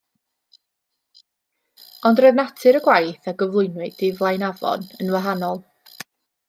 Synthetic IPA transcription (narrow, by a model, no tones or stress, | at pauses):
ɔndrəðnatʰɨɾəɡwajθaɡəvlˠʊɨnwɨd̥ɪvlˠajnavɔ̰nənwaɦanɔlˠ